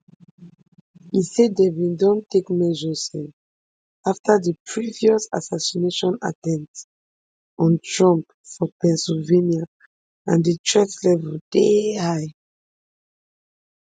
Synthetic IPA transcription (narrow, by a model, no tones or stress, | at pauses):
isedevĩndɔ̃ntekmɛʒɔsɛ̃n | aftadəpʰɹiviɔsa̰sasineʃɔ̃na̰tɛ̃nt | ɔ̃ntɹɔ̃mp | fɔpɛ̃nsilvenia | ã̰ndətʰɹɛklɛvɛld̥ehaɪ